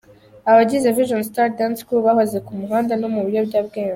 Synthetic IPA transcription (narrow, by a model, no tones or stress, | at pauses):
aβaɟizeviʒons̬taɾdanskuβahoze̞kumuɦaːndanomuβiɾjo̞bɟaːbɡeːnza